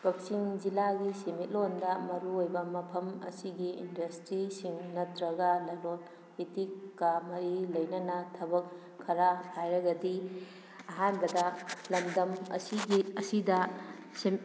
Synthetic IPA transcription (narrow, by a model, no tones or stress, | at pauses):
bok̚siŋd͡ʒilaɡisimit̚londɐmɐɾuojbɐmɐpʰɐmɐ̰siɡiːndɐstɾisiŋnɐtɾɐɡɐlɐlon | bitikːɐmɐɾilɐjnɐnɐtʰɐbɐkʰː | ɐɾahajɾɐɡɐdi | ɐɦanbɐdɐlɐmdɐmɐ̰siɡiɐsidɐ | sem